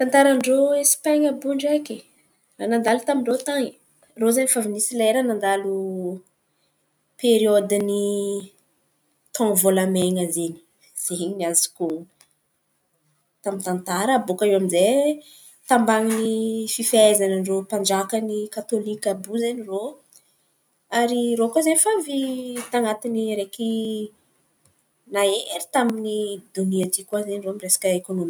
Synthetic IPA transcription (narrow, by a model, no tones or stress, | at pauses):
t̪ant̪aɾaɳɖ͡ʐoespaɲabuɳɖ͡ʐakʲe | ranand̪alut̪amiɳɖ͡ʐot̪aŋi | rozaɲifavinisileɾanand̪alu | peɾiod̪ini | t̪ãvolameŋazeni̥ | z̥eɲiniazi̥kuŋ | t̪amint̪ant̪aɾəːbokaewamize | t̪ambaŋinififaezananiropaɳɖ͡ʐakənikat̪olikabuzeniro | aɾirokazenifavit̪aŋat̪iniɾeki | naeɾi̥t̪aminid̪uniat̪ikʲwazeniroamiresḁkəekonomi